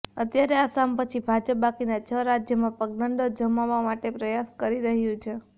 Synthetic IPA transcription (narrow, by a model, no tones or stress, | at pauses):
ət̪jaɾeasampət͡ʃʰibʱad͡ʒəp̚bakinat͡ʃʰəɾad͡ʒjəmãpəɡ̚nəɳɖod͡ʒəmaʋamaʈepɾəjaskəɾiɾəɦjũt͡ʃʰe